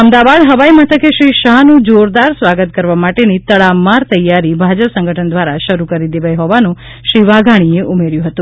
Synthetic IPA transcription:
əmd̪aʋad̪ɦəʋaimət̪ʰəkeʃɾiʃaɦnũd͡ʒoɾd̪aɾsʋaɡət̪̚kəɾʋamaʈenit̪əɭamaɾt̪əjaɾibʱad͡ʒəpsə̃ŋɡʱəʈʰənd̪ʋaɾaʃəɾukəɾid̪eʋajɦoʋanũ | ʃɾiʋaɡʱaɽ̃ieʔumeɾjũɦət̪ũ

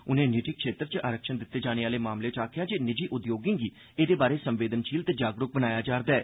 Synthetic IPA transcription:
ʊnẽːnɪʈɪkʃeːt̪ɾt͡ʃəʔaːɾəkʃənd̪ɪt̪ːeːd͡ʒaːñeːaːleːmaːmleːt͡ʃaːkʰjãːd͡ʒeːnɪd͡ʒiːʔʊd̪joːɡɪ̃ːɡiː | eːd̪eːbaːɾeːsə̃mʋeːd̪ənʃiːlt̪eːd͡ʒaːɡɾʊk̚bənaːjaːd͡ʒaːɾd̪aɛː

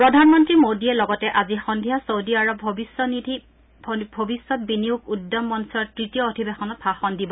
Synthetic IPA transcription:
pɹɔdʱanmɔntɹimodiɛlɔɡɔtɛʔazixɔndʱiɦasowdiaɹɔbʱɔbisɔnidʱi | bʱobisːɔt̚biniukudːɔmːɔnsɔtɹitijɔodʰʱibexɔnɔt̚baxɔndibɔ

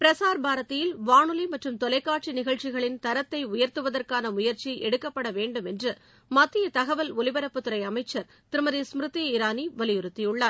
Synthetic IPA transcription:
pɪɾɐsaːɾbʱaːɾɐt̪ːɪjɪlʋaːɳɯlimɐʈrɯmt̪ɔlɐɪkːaːʈ̚t͡ʃinɪɣɐɭt͡ʃɪɣɐɭɪnt̪ɐɾɐt̪ːɐɪʊjɐɾt̪ɯʋɐðɐrkaːnɐmʊjɐɾt͡ʃiʔɛɽɯkːɐpːɐɽɐʋeːɳɖɯmɛndrɯ | mɐt̪ːɪjɐt̪ɐɣɐʋɐlʊlɪbɐɾɐpːɯt̪ːɯɾɐɪɐmɐɪt͡ʃːɐɾ | t̪ɪɾɯmɐðismɾɯt̪ːɪjɪɾaːniʋɐlɪjʊɾɯt̪ːijɯɭːaːɾ

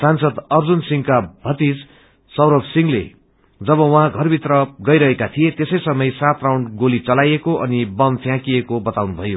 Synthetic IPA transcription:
sansʌd̪ʌrd͡zunsiŋkabʱʌt̪is | sʌwɾʌbsiŋlḛ | d͡zʌβʌwʌɦãɡʱʌrbʱit̪rʌɡʌjɾʌɦekat̪ʰijet̪esʌjsʌmʌjsat̪rawɳɖɡolit͡sʌlajekoʔʌnibʌmpʰjãkiekobʌt̪awnubʱʌjo

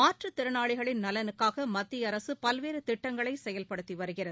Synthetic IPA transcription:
maːʈrɯt̪ɪɾɐnaːɭɪɣɐɭɪnnɐlɐnɯkːaːɣɐmɐt̪ːɪjɐɾɐsɯpɐlʋeːɾɯt̪ɪʈːɐŋɡɐɭɐɪsɛjɐlpɐɽɯt̪ːiʋɐɾɯɣɪrɐð

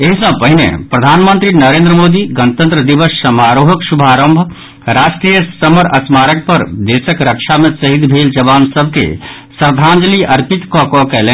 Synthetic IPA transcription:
eɦisə̃pəɦinḛpɾəd̪ʱaːnmənt̪ɾinəɾẽːnd̪ɾəmoːd̪iɡənət̪ə̃nt̪ɾəd̪ibəsːəmaɾoɦəksubʱaːɾəmbʱ | ɾaʃʈɾijəsəməɾəsmaːɾək̚pəɾd̪esəkɾəkʃʰamẽsəɦid̪bʱeld͡ʒəbansəbʱkḛ | səɾd̪ʱãnd͡ʒliʔəɾpit̪kɔ̃kɔkɛlẽ

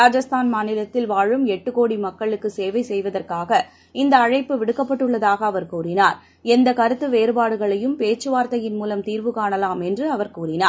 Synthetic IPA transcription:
ɾaːd͡ʒɐst̪ʰaːnmaːnɪlɐt̪ːɪlʋaːɻɯmɛʈːɯkoːɽimɐkːɐɭɯkːɯseːʋɐɪsɛjʋɐðɐrkaːɣɐ | ɪnd̪ɐːɻɐɪpːɯʋɪɽɯkːɐpːɐʈːɯɭːɐðaːɣɐːʋɐɾkuːrɪnaːɾ | ɛnd̪ɐkɐɾɯt̪ːɯʋeːɾɯbaːɽɯɣɐɭɐjɯmpeːt͡ʃːɯʋaːɾt̪ɐjɪnmuːlɐmt̪iːɾʋɯkaːɳɐlaːmɛndrɯɐʋɐɾkuːrɪnaː

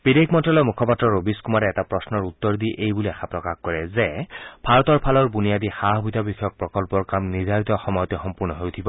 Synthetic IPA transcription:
b̥id̪ekʰmɔntɔlɔjmukʰɔpatɹɔɹobiskumaɾɛɛtapɹɔsnɔɹut̪ːɔɹd̪iʔejbuliaxʰapɹɔkaxkɔɹɛzɛb̥ʱaɹɔt̪ɔɹpʰalɔɹbunijad̪ixaɦɔbit̪ɔbixɔjɔk̚pɹɔkɔlpɔɹkamniɹdʱaɹit̪ɔxɔmɔjɔt̪ɔxɔmpuɹnɔɦɔjutʰibɔ

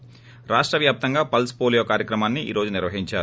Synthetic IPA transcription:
ɾaːʂʈɾɐʋjaːp̚t̪ɐŋɡaːpɐlspoːlijoːkaːɾjɐkɾɐmaːnːiʔḭːɾo̞ːd͡ʒuniɾʋɐɦiɲt͡ʃaːɾu

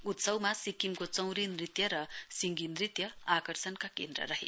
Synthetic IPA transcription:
ut̪sʌwmasikimkot͡sʌw̃ɾinrit̪jʌɾʌsiŋɡinrit̪jʌakʌrsʌnkakend̪rʌ̰rʌɦḛ

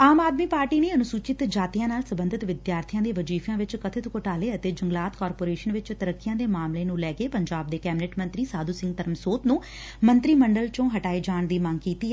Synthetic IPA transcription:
aːmaːd̪miːpaːɾʈiːneːənʊsuːt͡ʃɪt̪d͡ʒaːt̪ɪijãːnaːlsəbənd̪ʱɪt̪ʋɪd̪jaːɾt̪ʰijãːd̪eːʋəd͡ʒiːfʰjãːʋɪt͡ʃkət̪ʰɪt̪koʈaːleːət̪eːd͡ʒəŋɡlaːt̪kaːɾpoːɾeːʃənʋɪt͡ʃt̪əɾəkːɪjãːd̪eːmaːmleːnũːlɛːɡeːpəɲd͡ʒaːb̚d̪eːkɛːbɪnɛʈmənt̪ɾiːsaːd̪uːsɪ̃ŋɡ̚t̪əɾəmsoːt̪nũː | mənt̪ɾiːməɳɖəlt͡ʃõːɦəʈaːid͡ʒaːɳd̪iːmãŋɡkiːt̪iːɛː

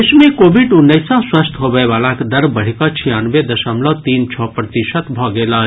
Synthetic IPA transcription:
esmẽkoːbiɖʊnːəɪsãswəst̪ʰɦobəeʋaːlakd̪əɾbəɽ̤ikɔt͡ʃʰijanʋed̪əʃəmlɔt̪iːnt͡ʃʰɔpɾət̪iʃət̪bʱɔɡela

